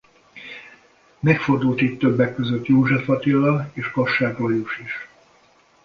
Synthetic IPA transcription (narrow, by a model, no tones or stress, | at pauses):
mɛkford̪ult̪it̪ːøbːɛkːøzøt̪joːʒɛfɒt̪ilːɒeːʃkɒʃːaːkrojuʃiʃ